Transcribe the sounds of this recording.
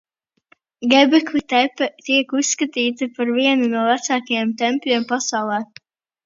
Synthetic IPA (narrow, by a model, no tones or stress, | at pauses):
ɡɛbɛklˠit̪ɛpɛt̪iɛkusskat̪iːt̪ipaɾviɛnunuɔvæt̪saːkajɛmt̪ɛmpʲlʲiɛmpasawlˠɛː